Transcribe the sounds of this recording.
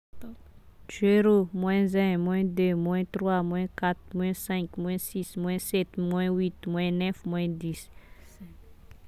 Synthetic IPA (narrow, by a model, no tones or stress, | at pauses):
zeɾomwɛ̃zɛ̃mw̃ɛ̃d̪ømw̃ɛ̃t̪ɾwamw̃ɛ̃kat̪mw̃ɛ̃sɛ̃kmw̃ɛ̃sismw̃ɛ̃sɛt̪mwɛ̃wit̪mwɛ̃nɛfmwɛ̃d̪is